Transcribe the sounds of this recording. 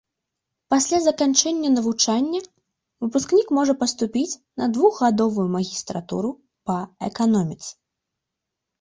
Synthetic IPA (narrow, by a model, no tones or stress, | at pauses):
pasʲlʲazɐkant͡ʂɛnʲːɐnɐvut͡ʂanʲːɐ | vɨpusknʲikmɔʐɐpɐst̪upʲit͡sʲnɐd̪vuɣɣad̪ɔvujumɐɣʲist̪ɾat̪ṵɾu | pɐɛkanɔmʲit̪s